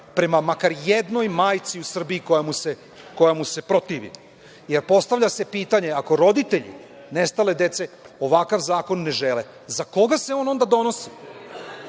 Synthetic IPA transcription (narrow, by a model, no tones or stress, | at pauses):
pɾe̞mamakaɾjed̪no̞jmaːjt̪siusr̩biːko̞jamuse̞ | ko̞jamuse̞pɾo̞t̪iːʋḭ | jeɾpo̞st̪aʋʎase̞piːt̪aɲe̞ako̞ɾo̞d̪it̪e̞ʎḭ | ne̞st̪ale̞d̪e̞t̪se̞o̞ʋakaʋzaːko̞nːe̞ʒele | zako̞ɡaseo̞ːno̞nd̪ad̪o̞no̞si